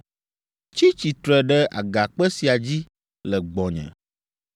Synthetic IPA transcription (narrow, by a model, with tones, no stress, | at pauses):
t͡ɕi˦t͡ɕi˨t̪ɾɛ˨ɖɛ˦a̰˨ɡa˨k͡pɛ˦si˨a˨d͡ʑi˦ | lɛ˨ɡ͡bɔ˨ɲɛ̰̃˨